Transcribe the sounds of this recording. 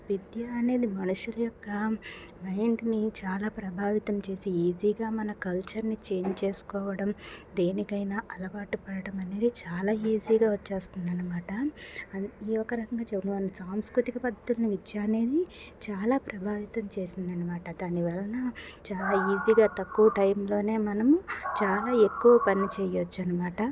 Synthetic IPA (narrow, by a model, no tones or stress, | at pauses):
ʋid̪jɐːne̞ːd̪imɐnuʂulɐjɔkːɐ | mɐjɳɖnit͡ʃaːlaːpɾɐbʱaːʋit̪ɐmt͡ʃe̞ːsiiːziːɡaːmɐnɐkɐlt͡ʃɐɾnit͡ʃe̞ːnt͡ʃe̞ːsu̥kɔːʋɐɽɐmd̪e̞ːnikɐjnaːʔɐlɐbaːʈupɐɽɐɽɐmɐne̞ːd̪it͡ʃaːlaːiːziːɡaːʋɐt͡ʃːeːst̪und̪ɐnːɐmaːʈɐ | iːɔkːɐɾɐkɐŋɡaːt͡ʃebunuʋɐnnɐsaːmskɾut̪ikɐpɐd̪ʱɐt̪ulɐnuʋit͡ʃːaːne̞ːd̪it͡ʃaːlaːpɾɐbʱaːʋit̪ɐmt͡ʃe̞ːsind̪ɐnːɐmaːʈɐd̪aːniʋɛːlɐnɐt͡ʃaːlaːiːziːɡaːt̪ɐkːuʋɐʈɐjmlo̞ːne̞ːmɐnɐmut͡ʃaːlaːe̞kːuʋɐpɐnit͡ʃɛːjot͡ʃːuɐnɐmaːʈɐ